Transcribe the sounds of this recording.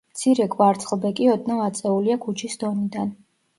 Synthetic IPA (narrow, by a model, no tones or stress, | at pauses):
t̪sʰiɾɛkʼvaɾt̪sʼχlˠbɛkʼiɔd̪namat̪sʼɛuliakʰut͡ʃʰisd̪̥ɔnid̪an